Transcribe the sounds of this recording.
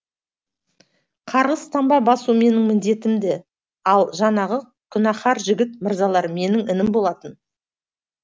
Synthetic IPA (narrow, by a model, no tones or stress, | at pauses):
qʰɑɾʁəst̪ɑmbɑbɑsume̞nɪŋmɪnd̪e̞t̪ɪmd̪e | ɑlˠʒɑnɑʁə | kʲʰʏnɑχɑɾʒɪɡʲɪt̪̚məɾzɑlˠɑɾme̞nɪŋɪnɪmbo̞lˠɑt̪ən